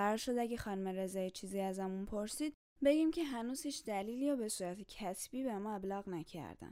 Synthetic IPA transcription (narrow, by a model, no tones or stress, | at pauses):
æɾɒːɾʃod̪æɟexɒːnumeɾe̞zɒːjit͡ʃʰiːziæzæmunpʰoɾsiːd̪̚ | be̞ɡiːmcʲʰe̞ɦænuːz̥hiːt͡ʃʰd̪æliːliːɾobe̞suːɾæt̪ʰecʰæsb̥iːbemɒːe̞blɒːɣnæcʰæ̰ɾd̪æ̰n